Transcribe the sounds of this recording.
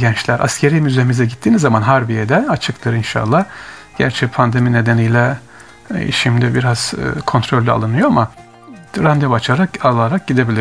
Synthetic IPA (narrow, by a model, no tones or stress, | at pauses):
ɟɛnt͡ʃlʲæɾʔa̰scʰe̞ɾijmyzemizɛɟit̪ʰːiːnizamanɦaɾbijed̪ɛat͡ʃʰɯkt̪ʰɯɾinʃa̰lˠːahɟ̥æ̰ɾt͡ʃʰɛpʰand̪e̞mine̞d̪enijlʲɛ̰ | ʃimd̪ibiɾaz̥̰kʰo̞nt̪ɾo̞lʲːa̰lˠɯnɯjo̞ama | ɾand̪ɛvat͡ʃʰaɾakalˠaɾak̚ɟid̪e̞bilʲi